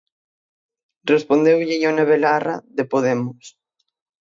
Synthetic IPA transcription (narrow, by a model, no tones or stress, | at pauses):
respond̪ewʎɪjoneβelara̰ðepoðɛmʊs